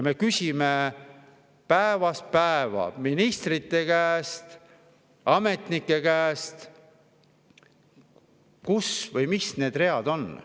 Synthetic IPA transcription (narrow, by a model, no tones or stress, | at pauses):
me̞kysʲime | pæevɑs̚pæevɑ̰minist̪rit̪ːˑe̞kæːst̪ | ɑme̞t̪nikːˑe̞kæːst̪ | kusvɤjmisne̞ːd̪̥re̞ɑd̪̥o̞n